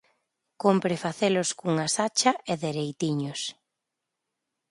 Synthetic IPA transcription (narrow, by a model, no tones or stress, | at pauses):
kompɾɪfaθelʊskuŋasat͡ʃɐʔeðeɾejt̪iɲʊs